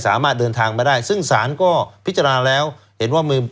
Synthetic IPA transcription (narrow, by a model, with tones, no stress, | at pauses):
sa̰ː˩˦maː˥˩t̪̚dɤː˧nt̪ʰaː˧ŋma˧daː˥˩jsɯ˥˩ŋsaː˩˦nkɔː˥˩pʰi˦˥t̪t͡ɕa˧naː˧lɛː˦˥w | he˩˦nwaː˥˩miː˧